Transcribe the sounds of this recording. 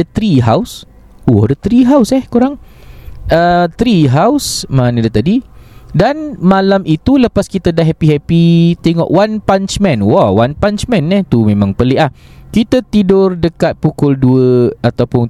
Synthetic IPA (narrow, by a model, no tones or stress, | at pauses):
ət̪ɾiɦaws | wɔdət̪ɾiɦawsɛhkuɾaŋ | ət̪ɾiɦawsmanədət̪adidanmalamit̪uləpaskit̪adaɦɛpiɦɛpit̪eŋɔ̰ʔwanpant͡ʃmɛ̃nwɔwanpant͡ʃmɛ̃nɛht̪umẽmãŋpəlɪʔahkit̪at̪idʊrdəkat̪̚pukʊlduəat̪awpʊn